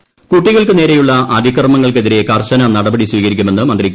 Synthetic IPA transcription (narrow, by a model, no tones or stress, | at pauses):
kuʈːiɣɐɭkɨne̞ːɾe̞juɭːɐɐd̪ʱikɐrmɐŋːɐɭk̬e̞ðiɾe̞kɐrɕɐnɐnɐɽɐbɐɽiswiːɣɐɾikʲːume̞nːɨmɐnd̪rikʲː